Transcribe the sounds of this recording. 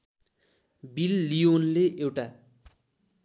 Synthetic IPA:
bilːijonleʔewʈa

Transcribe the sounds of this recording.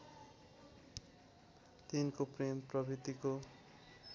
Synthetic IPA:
t̪inkopremprʌbʱit̪iko

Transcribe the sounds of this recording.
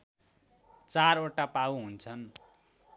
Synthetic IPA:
t͡saroʈapawɦunt͡sʰʌn

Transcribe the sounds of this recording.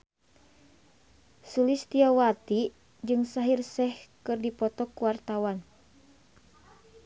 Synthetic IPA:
sulist̪iawat̪i | d͡ʒɨŋsaɦirsɛhkɨrdipɔt̪ɔkːuwart̪awan

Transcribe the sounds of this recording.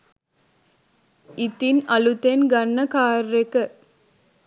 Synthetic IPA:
ɪt̪ːinɐlut̪ːenɡɐnːɐkaːɾːekɐ

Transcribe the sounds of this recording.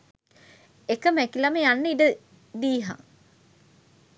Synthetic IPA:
ekəmækilɐmejanːəidə | d̪iːɦa̰ŋ

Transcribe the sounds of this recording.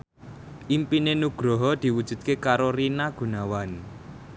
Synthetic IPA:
ʔimpinenuɡ̥ɾɔɦɔd̪̥i̤wud̥ʒ̥ṳd̪̚kekaɾoɾinaɡ̥ṳnawan

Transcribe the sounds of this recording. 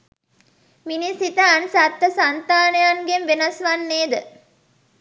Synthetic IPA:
minisit̪əɐnsat̪ːəsant̪aːnejaŋɡemʋenɐsʋanːeːd̪ə

